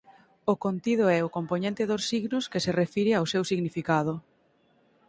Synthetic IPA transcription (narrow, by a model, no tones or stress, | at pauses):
okont̪ið̞oɛʊkomponẽnt̪ɪðosːiɣnʊskeserefiɾeawsewsiɣnifikaðʊ